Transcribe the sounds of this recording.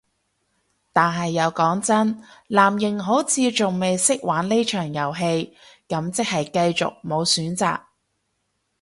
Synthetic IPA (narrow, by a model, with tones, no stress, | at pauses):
t̪aː˨nɦɐ˨jːɐ˨˧wkɔː˨˥ŋt͡sɐ˥nlaː˨˩mjɪ˨˩ŋɦo˨˥wt͡sʰiː˨˧t͡sʊ˨ŋme˨jsɪ˥k̚waː˨˥nle˥jt͡ʃʰœː˨˩ŋjɐ˨˩wɦe˧jkɐ˨˥mt͡sɪ˥k̚hɐ˨jkɐ˧jt͡sʊ̰˨k̚mo˨˧wsyː˨˥nt͡sa̰ː˨k̚